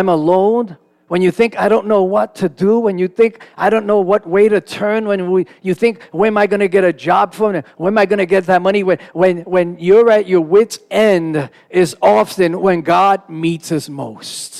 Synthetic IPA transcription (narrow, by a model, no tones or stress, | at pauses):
aɪ̃məlõʊ̃n | wə̃njɨθɪ̃ŋkaɪɾõʊ̃nːoʊwʌtʰɨdəwɨ̃njɨθɪ̃ŋkaɪɾõʊ̃nːoʊwʌt̚weɪɾɨtʰɜ̃˞nwə̃njɨθɪ̃ŋkwɨ̃maɪɡʌnɨɡɛɾɨd͡ʒɑb̥fɹʌ̃mwɨ̃maɪɡʌnɨɡɛt̪̚ðɨt̚mʌɾ̃iwɨ̃wɨ̃nwɨ̃njə˞ɨt͡ʃə˞wɪtsɛ̃nd | ɪzɔfɨ̃nwɨ̃nɡɑd̚mitsʌsmoʊst